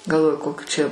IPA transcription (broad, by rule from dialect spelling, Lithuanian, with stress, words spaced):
ɡɐlˠˈʋoːjʊ ˈkoːkʲuː t͡ʃʲɛ